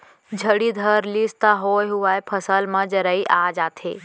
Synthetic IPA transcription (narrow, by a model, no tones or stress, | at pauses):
d͡ʒʱəɽid̪ʱəɾlist̪aɦoːjɦuaːjpʰəsəlmɐ̃d͡ʒəɾəiʔaːd͡ʒaːt̪ʰḛː